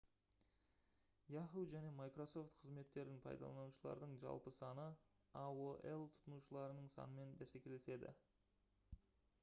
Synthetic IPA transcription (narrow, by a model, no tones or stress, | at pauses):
jɑχuwʒæne̞mɑjkro̞so̞ft̪qʰəzme̞t̪ːe̞ɾd̪ɪŋpʰɑ̰jd̪ɑ̰ɑnuʃəlˠɑ̰ɾd̪əɴʒɑ̰lˠpəsɑnə | awoʔelˠt̪ʰʊ̥t̪ənuʃəlˠɑɾənəɴsɑ̰nəme̞nbæsekʲe̞le̞se̞d̪ɪ̰